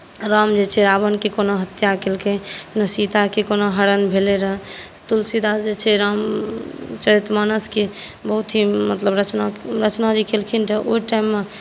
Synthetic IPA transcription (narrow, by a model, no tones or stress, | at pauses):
ɾamd͡ʒet͡ʃʰeɾabənkekonoɦət̪jakelkenəsit̪akekonoɦəɾənbʱeleɾəɦɛ | t̪ulsid̪asd͡ʒet͡ʃʰɛɾam | t͡ʃəɾit̪manəskebəɦut̪ʰɦimət̪ləbɾət͡ʃnaɾət͡ʃnad͡ʒikʰelkʰinʈeʔoiʈaimːe